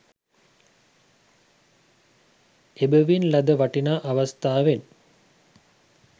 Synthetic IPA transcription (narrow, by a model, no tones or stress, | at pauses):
ebəʋinlad̪əʋaʈinaːʔaʋast̪aːʋen